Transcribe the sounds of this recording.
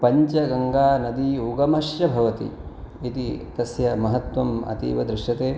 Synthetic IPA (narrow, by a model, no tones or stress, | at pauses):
pɐɲt͡ʃɐɡɐŋɡaːnɐd̪iuɡɐmɐʃjɐbʱɐʋɐt̪ḭit̪it̪ɐsjɐmɐɦɐt̪wɐmɐ̰t̪ḭːʋɐd̪ɾɪʂʈɐt̪eː